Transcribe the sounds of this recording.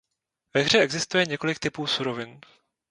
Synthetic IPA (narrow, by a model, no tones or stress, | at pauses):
vɛɣr̝ɛʔɛɡzɪst̪ujɛɲɛko̞lɪk̚t̪ɪpuːsuɾo̞vɪn